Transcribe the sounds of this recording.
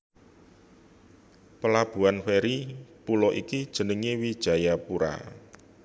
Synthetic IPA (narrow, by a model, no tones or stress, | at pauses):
pəlab̥ṳanfeɾipulɔʔikid̥ʒ̥ə̤nəŋewid̥ʒ̥a̤japuɾa̰